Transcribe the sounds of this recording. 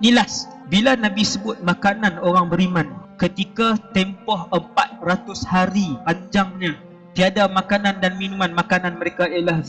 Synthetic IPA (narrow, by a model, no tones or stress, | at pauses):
nilas | bilanãbisəbʊt̪̚mãkanãnoɾaŋbəɾimãnkət̪ikat̪empɔhəmpat̪̚rat̪ʊshaɾipaɲd͡ʒaŋɲã | t̪iadamãkanãndanminũmãnmakanãnmə̃ɾekaelah